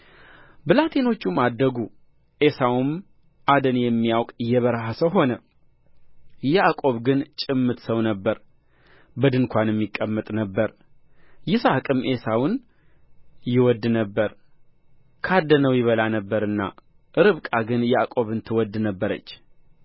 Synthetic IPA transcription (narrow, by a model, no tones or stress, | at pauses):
bɨlat̪ʰe̞no̞t͡ʃːumad̪ːəɡu | ʔe̞sawum | ʔad̪ənjɛmːijawkʼjɛβəɾɦəsəɦo̞nə | jɛʔakʼo̞βɡɨnt͡ʃʼɨmːɨt̪səwnəbːəɾ | bəd̪ɨŋkʷʰanjɛmːikʼːəmːət̪ʼnəbːəɾ | jɪsakʼɨmʔe̞sawʊn | jɪwɔd̪ːnəbːəɾ | kʰad̪ənəwjɪβəlanəbːəɾɨnːa̰ | ʔɨɾɨβkʼaɡɨnjɛakʼo̞βɨnt̪ʰɨwɔd̪ːnəbːəɾə̰t͡ʃː